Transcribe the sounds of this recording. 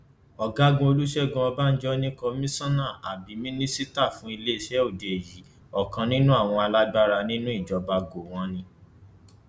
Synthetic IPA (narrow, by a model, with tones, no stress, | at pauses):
ɔ˨ɡa˦ɡũ˦o˧lu˦ʃɛ˦˨ɡũ˧ɔ˧ba˦n̩˦d͡ʒɔ˦nĩ˦ko˧mĩ˦sɔ̃˦nã˦˨a̰˨bi˨˦mĩ˦nĩ˦si˦ta˦˨fũ˦i˧le˦i˦˨ʃɛ˦o˦˨de˨ji˨˦ | ɔ˦˨kã˧nĩ˦nũ˦a˦˨w̃ɔ̃˧a˧la˦ɡ͡ba˦ɾa˧nĩ˦nũ˦i˦˨d͡ʒɔ˨˦ba˧ɡo˨w̃ɔ̃˦nĩ˧